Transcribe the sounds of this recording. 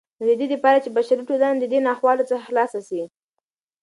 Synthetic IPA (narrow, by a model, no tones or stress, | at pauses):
d̪əd̪ed̪əpɑɾat͡ʃebaʃaɾiʈod̪and̪əd̪enɑxwɑlot͡səxaxlɑsasi